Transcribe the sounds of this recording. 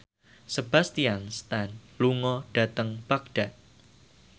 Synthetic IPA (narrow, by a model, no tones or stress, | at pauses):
səb̥ast̪ianst̪anluŋɔɖ̥a̤t̪əŋpak̚ɖ̥a̤ʔ